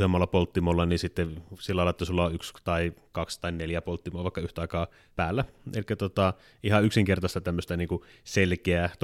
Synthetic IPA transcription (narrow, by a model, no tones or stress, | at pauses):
semːɑlːɑpolt̪ːimolːɑninsit̪ːesilːɑɑˑelɑˑet̪ːsulːɑoykst̪ɑikɑkst̪ɑinneljæpolt̪ːimoːʋɑˑikːɑyht̪æɑˑikɑː | pæːlːæḛlikːæt̪ot̪ɑ | ihɑyksiŋkert̪ɑst̪ɑt̪æmːøst̪æniːŋku | selkeæt̪